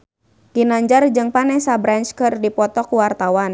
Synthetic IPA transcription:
ɡ̥inaɲd͡ʒard͡ʒɨŋpanɛhsabɾant͡ʃkɨrdipɔt̪ɔkuwart̪awan

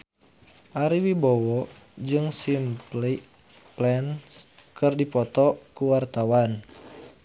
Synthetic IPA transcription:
ʔaɾiwibɔwɔ | d͡ʒɨŋsimpli | plɛnskɨrdipɔt̪ɔkuwart̪awan

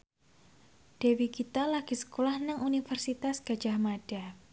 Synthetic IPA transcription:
d̥ewikit̪alaɡ̥isə̥kolahnəŋunifərsit̪asɡ̥a̤̥d͡ʒahmad̥a

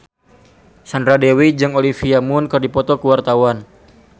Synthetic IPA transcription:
sandɾadewid͡ʒɨŋolifiamʊnkɨrdipɔt̪ɔkəwart̪awan

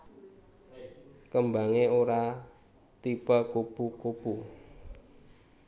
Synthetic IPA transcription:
kəmba̤ŋeoɾa | t̪ipakupukupu

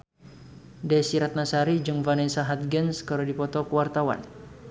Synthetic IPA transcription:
dɛsiɾat̪̚nasaɾid͡ʒɨŋvanɛsaɦat̪̚ɡɛnskəɾadipɔt̪ɔkəwart̪awa̰n

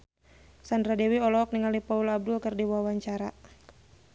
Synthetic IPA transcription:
sandɾadewiɔlɔɦɔk̚niŋalipaulab̚dʊlkərdiwawaɲt͡ʃaɾa

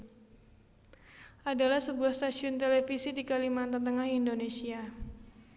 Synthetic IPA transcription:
ʔadalahsəbuahst̪asiʊnt̪elefisidikalimant̪ant̪əŋahindonesia

